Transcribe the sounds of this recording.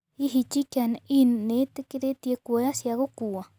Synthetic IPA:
iɦit͡ʃikaninnet̪ekeɾet̪jekʷeasjaɣokua

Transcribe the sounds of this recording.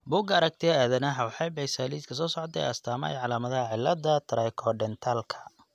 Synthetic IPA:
bʊɡɐɾɐk̚t̪ʰɪɐaːðɐnɐɦɐwɑħɑjbɛjsaːliːt̪kʰɐs̬ɔːsɔʕɔt̪ʰɛ̰jɐst̪ʰaːmɐɛ̰jʕɑlaːmɐðɐɦɐʕɪlːɐd̪ɐt̪ʰɾajkʰɔɖɛnt̪ʰaːlkʰɐ̥

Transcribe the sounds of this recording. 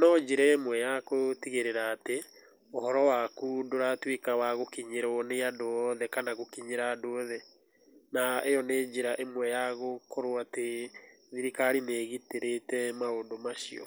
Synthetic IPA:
nɔd͡ʒiɾɛemwɛjakotiɣeɾeɾaːte | ohɔɾɔwakudoɾatwekawaɣokiɲeɾɔneadoɔðɛkanaɣokiɲeɾaːdoðɛ | naejɔned͡ʒeɾaʔemwɛjaɣokʰɔɾwate | ðiɾikaɾineːɣiteɾetɛmaodomaʃḭɔ̰

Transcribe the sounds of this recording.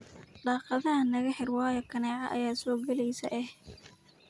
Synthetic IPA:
ɖɑːqɑðɐnɐɣɐħɪrwɑːjɔkʰɐnɛːʕɑ̰ʔɐ̰jaːsɔːɡɐlɛjsɐ̰ʔɛh

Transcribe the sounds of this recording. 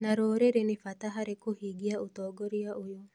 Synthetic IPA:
naɾoːɾeɾenɪfat̪aɦaɾekuhiɡiaut̪ɔːɡɔɾiaʔujo

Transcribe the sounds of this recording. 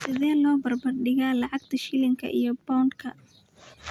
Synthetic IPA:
sɪðɛːlɔːbɐrbɐrɖɪɣaːlɑʕɑɡ̚t̪ʰɐʃɪlɪŋkʰɐ̰ʔḭjɔbɔnkʰɐ

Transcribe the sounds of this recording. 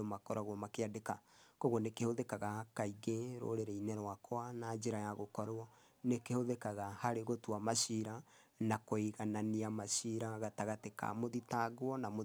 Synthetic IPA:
omakɔɾaɣwɔmakeadekakoɣonekehoðekaɣakaiɣeɾo̰ɾeɾeinɛɾwakwanad͡ʒeɾajaɣokɔɾɔ | nekehoðekaɣahaɾeɣotwamaɕiɾa | nakoiɣananiamaʃiɾaɣataɣateka̰moðitaɣwɔnamo

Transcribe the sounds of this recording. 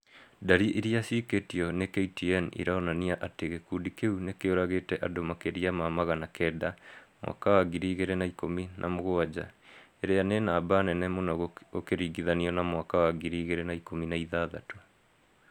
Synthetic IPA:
daɾiʔiɾiasiketiɔnekeitiɛnḭɾaɔnaniaʔateɣekuːndikeunekeoɾaɣetɛʔadomakeɾiamaːmaɣanakɛdamwʔa̰kawaɡiɾiːɣeɾenaikominʔa̰moɣoad͡ʑa̰eɾejanenaːbanɛnɛmonɔɣokeɾiːɡiðaniɔnamwakawaɡiɾiːɣeɾenaikominaiðaða̰to

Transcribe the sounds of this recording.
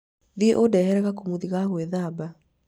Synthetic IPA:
ðieʔodɛhɛɾɛɣakumuðiɣaɣweðaba

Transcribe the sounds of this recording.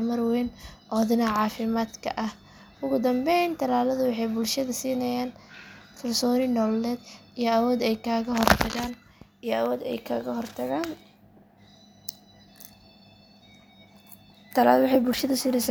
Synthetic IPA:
mɐrwɛːnʔɔːðɪnɐʕɑːfɪmaːd̪kʰɐ̰ʔɐh | ʊɣʊd̪ɐmbɛjnt̪ʰɐlaːlɐðʊwɑħɑjbʊlʃɐðɐsiːnɐjaːnkʰɐlsɔːnɪnɔlɛːd̪ijɔawɔːd̪ɛjkʰaːɣɐɦɔrt̪ʰɐɣaːn | ijɔɐwɔːd̪ɛ̰jkʰaːɣɐhɔrt̪ʰɐɣaːn | t̪ʰɐla̰ːðʊwɑħɑjbʊlʃɐðʊsiːnɛjsaː

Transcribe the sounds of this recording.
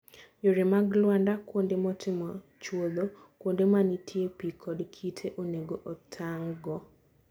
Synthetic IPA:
joɾemaɡlwandakwondemɔtʰɪmɔ | t͡ʃwod̪o | kwondemanitʰjepikʰɔdkʰitʰeʔoneɡoʔɔtʰaŋɡɔ

